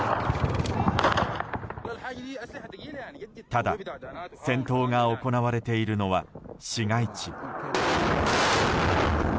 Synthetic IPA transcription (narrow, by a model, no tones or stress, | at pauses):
t̪ad̪a̰sẽ̞nt̪o̞ːŋao̞ko̞naβaɾe̞t̪e̞iɾɯ̟no̞βaɕiɡait͡ɕi